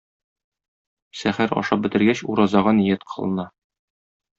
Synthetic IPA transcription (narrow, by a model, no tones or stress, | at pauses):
sæχæɾɒ̰ʃɑp̚bɘ̆t̪ɘ̆ɾɡæɕuɾɑzɑʁɑnĭjæt̪qʰɤ̥̆lˠɤ̆nɑ